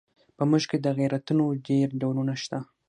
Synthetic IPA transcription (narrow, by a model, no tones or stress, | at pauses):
pəmuʒked̪əɣijɾat̪unoɖeɾɖawlunaʃt̪a